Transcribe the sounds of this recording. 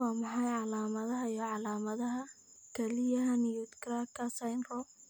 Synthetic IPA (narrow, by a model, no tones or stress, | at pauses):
ɑːmɑħɑjʕɑlaːmɐðɐɦɐijɔʕɑlaːmɐðɐɦɐ | kʰɛlɪjɐɦɐnijut̪kraːkʰɐsajnrɔ